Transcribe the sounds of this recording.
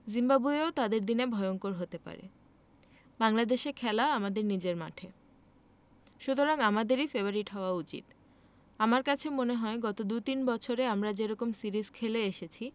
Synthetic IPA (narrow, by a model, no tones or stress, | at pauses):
zimbabueot̪ad̪eɾd̪inebʱɔeoŋkoɾɦot̪epa̰ɾḛ | baŋlad̪eʃekʰɛlaoamad̪eɾnid͡ʑeɾma̰ʈʰe | ʃut̪oɾaŋamad̪eɾifebaɾiʈɦɔoaut͡ɕḭt̪ | amaɾkat͡ɕʰemoneɦɔeɡɔt̪od̪ut̪inbɔt͡ɕʰoɾeamɾad͡ʑeɾɔkomsiɾizkʰeleeʃet͡ɕʰi